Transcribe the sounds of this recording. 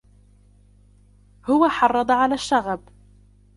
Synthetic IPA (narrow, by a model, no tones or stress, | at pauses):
hʊwaħɑrˤːɑd̪ˤɑʕalaːʃːaɣab